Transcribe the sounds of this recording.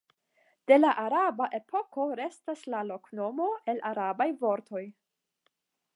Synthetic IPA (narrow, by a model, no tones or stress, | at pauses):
d̥e̞laʔaɾabaʔe̞pʰo̞ko̞ɾe̞staslalo̞kno̞mo̞e̞lʔaɾabajvo̞ɾtʰo̞j